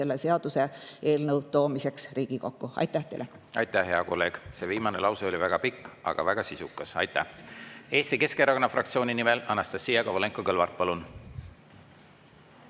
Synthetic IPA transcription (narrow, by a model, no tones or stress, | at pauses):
e̞lːese̞ɑd̪̥use̞e̞ːlnɤwt̪o̞ːmise̞ksriːɡ̥iko̞kːuɑ̰jt̪ːˑæht̪ejle | ɑ̰jt̪ˑæhɦeɑko̞lːe̞ːɡ̥se̞viːmɑnelɑwseolʲivæɡ̥ɑpikːˑɑ̰ɡ̥ɑ̰væɡ̥ɑsisukːˑɑsɑ̰jt̪ːˑæ̰he̞ːst̪ike̞skeɾɑkonːɑfrɑk̚t̪sio̞ːnʲinimelɑnːɑst̪ɑsːijɑɡ̥ɑvole̞ŋkːˑokɤlvɑrt̪̚pɑlun